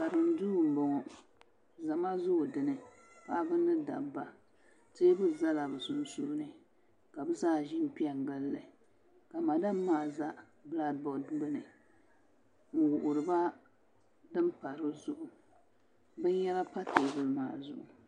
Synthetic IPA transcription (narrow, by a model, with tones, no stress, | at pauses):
sa˨ɾɨ˨m˦duː˦˨m̩˨bɔ˨ŋɔ˨ | za˨ma˦zʊ˦ʔʊ˨dɨ˨nɨ˨ | pa˦bɨ˦nɨ˦da̰˨ba˨ | te˦bɨ˦za˦la˨bɨ˨sʊ˨n˦su˦nɨ˨ | ka˨bɨ˦zaː˦˨ʒi˦n̩˦pi˦ɛ˨ŋɡɨ˦lːɨ˨ | ka˨ma˨da˦mːaː˦˨za˦ | bla˦d̚bɔ˨dbɨ˦nɨ˨ | ŋ̩˨wʊ˨ʔʊ˨ɾɨ˨ba˦ | dɨ˦mpa˨ɾɨ˦zʊ˦ʔʊ˨ | bɛ˦ɲɛ˦la˦pa˦teː˨bɨ˦lma̰ː˨zʊ̰˦ʔʊ˨